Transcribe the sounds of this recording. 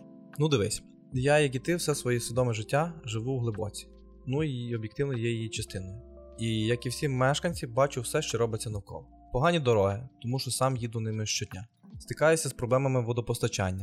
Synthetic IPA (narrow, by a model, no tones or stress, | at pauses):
nud̪ɪʋɪsʲ | jajɐk̬it̪ɪwsɛsʋɔjisʲʋʲid̪ɔmɛʒɪtʲːaʒɪʋuwɦlˠɪbɔt͡sʲi̥ | nuiɔbʲjɛk̚t̪ɪwnɔjɛjijit͡ʃɐst̪ɪnɐjʊijɐkiwsʲimɛʃkɐnʲt͡sʲibɑt͡ʃʊwsɛʃt͡ʃɔɾɔbɪt͡sʲːɐnɐwkɔ̰ʋɔ | pɔɦɑnʲid̪ɔɾɔɦɪt̪ɔmuʃt͡ʃɔsɑmjid̪ʊnɪmɪʃt͡ʃɔdʲnʲa | st̪ɪkɑjʊsʲɐspɾɔblˠɛmɐmɪʋːɔd̪ɔpɔst̪ɐt͡ʃa̰nʲːɐ